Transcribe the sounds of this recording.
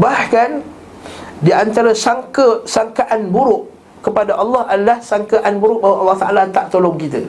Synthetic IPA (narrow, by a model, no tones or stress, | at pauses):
bahkan | diant̪aɾasaŋkəsaŋkaʔanbuɾʊʔ | kəpadaʔɑlːɑhadalahsaŋkaʔanbuɾʊʔ̚baɦwaʔɑlːɑht̪aʔalat̪aʔt̪olɔŋkit̪ə